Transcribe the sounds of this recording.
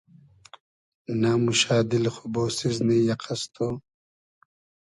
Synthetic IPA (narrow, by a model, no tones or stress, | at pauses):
namuʃaːd̪ilxoboːsiznijɐqʰɐst̪ʰoː